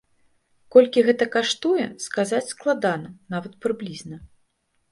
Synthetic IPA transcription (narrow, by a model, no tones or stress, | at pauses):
kɔlʲkʲiɣɛt̪ɐkaʂt̪ujɛskazat͡sʲsklˠad̪anɐnavɐt̪̚pɾɨblʲiznɐ